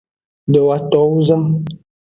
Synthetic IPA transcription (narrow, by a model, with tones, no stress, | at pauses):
də˨wa˨tɔ˨˦wzə˦m